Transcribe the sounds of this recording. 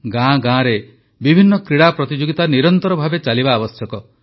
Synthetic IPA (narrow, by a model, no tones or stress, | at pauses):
ɡãɡãɾe | bibʱinːɔkɾiɽapɾɔt̪id͡ʒoɡit̪aniɾɔnt̪ɔɾɔbʱabet͡ʃalibaːbɔsjɔkɔ